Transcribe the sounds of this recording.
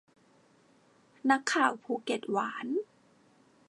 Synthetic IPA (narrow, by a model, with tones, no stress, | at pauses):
na˦˥kʰːaː˨˩wpʰuː˧˩˦ke˨˩t̪̚waː˩˦n